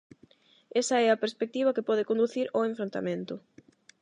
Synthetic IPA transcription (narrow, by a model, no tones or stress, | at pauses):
esɐɛɐpeɾspek̚t̪iβɐkepɔðɪkõnd̪uθiɾoẽɱfɾõnt̪a̰mẽnt̪ʊ